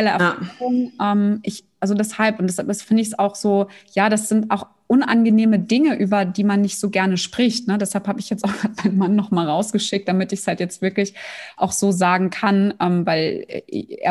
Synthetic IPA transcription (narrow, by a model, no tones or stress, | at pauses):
ɛləɛ̰aʊŋʔɛːmʔɪçʔalzodɛshalpʔʊntd̥asad̥asfɪndəɪçsaʊxz̥oːjaːɾasz̥ɪntʔa̰ʊx | ʔʊnʔa̰nɡəneːmədɪŋəʔyːbɐdiːmanːɪçtz̥oːɡɛɐnəʃpʁ̥ɪçtnədɛshalphaːbəɪçjɛt͡staʊxɡ̥aːt̚maɪnənmanːɔχmaːlʁaʊsɡ̥əʃɪk̚td̥amɪtɪçshaltjɛt͡stv̥ɪɐklɪçʔaʊxz̥oːzaːɡŋ̩kʰanʔɛːmvaɪlɛ̰ɪ̰ḛːɐ